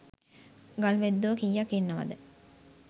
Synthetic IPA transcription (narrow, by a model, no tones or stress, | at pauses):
ɡalʋed̪ːokijakinːəʋɐ̰d̪ə